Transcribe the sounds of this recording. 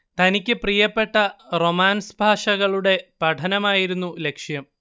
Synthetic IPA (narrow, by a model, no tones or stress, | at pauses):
t̪ɐnikʲːɨprijɐpːe̞ʈːɐro̞maːnsbʱaːʂɐɣɐɭuɽe̞pɐʈʰɐnɐmaːjiɾunːule̞kʂjɐm